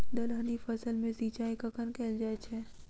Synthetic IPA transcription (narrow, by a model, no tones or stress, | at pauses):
d̪ɐlɦənifɐsəlmẽziːt͡ʃaːikakənkɛːld͡ʒaːet͡ʃʰɛː